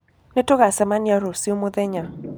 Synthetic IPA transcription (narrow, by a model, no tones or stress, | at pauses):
netoɣasɛmanjaɾosiomoðɛɲa